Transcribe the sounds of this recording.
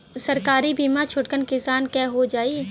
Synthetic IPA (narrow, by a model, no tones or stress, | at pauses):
sɐɾkaːɾibiːmat͡ʃʰʊʈkənkɪsaːnkɛːɦod͡ʒaːiː